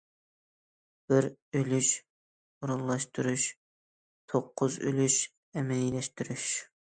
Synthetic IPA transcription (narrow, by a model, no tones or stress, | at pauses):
b̥ɪɾølyʃ | uɾunlˠɑʃt̪uɾuʃ | t̪ʰoqʰːʊzø̰lyʃ | ɛmɛjlɛʃt̪yɾyʃ